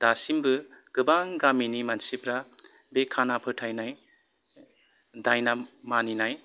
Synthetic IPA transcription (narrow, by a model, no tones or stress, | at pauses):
d̪̥asimbɯɡ̥ɯbaŋɡaminimansipɾa | bekʰanapʰɯtʰajnaj | dajnamaninaj